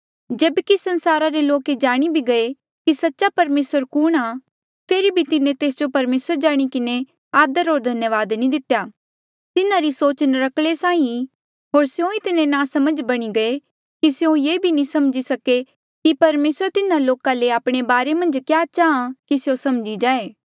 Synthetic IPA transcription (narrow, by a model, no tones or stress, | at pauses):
d͡ʒeːbkisɐ̃nsaːɾaɾeloːked͡ʒaːɽ̃ibʱiɡɐe | kisɐtːʃapɐɾmeːsəɾkʊɽ̃a | pʰeːɾibʱit̪ɪnẽt̪eːsd͡ʒopɐɾmeːsəɾd͡ʒaːɽ̃ikɪne | aːd̪əɾɦoːɾd̪ʱɐnjəʋaːd̪nĩd̪ɪt̪jaː | t̪ɪnãɾisoːt͡ʃənɾɐkʰlesãːĩ | ɦoːɾsjõit̪ɪnẽnãːsɐməd͡ʒbɐɽ̃iɡɐe | kisejõjeːbʱinĩsɐmd͡ʒisɐke | kipɐɾmeːsəɾt̪ɪnãloːkãleaːpɽ̃ebaːɾemɐ̃nd͡ʒkjaːʃʰaãkisjõsɐmd͡ʒid͡ʒaːeː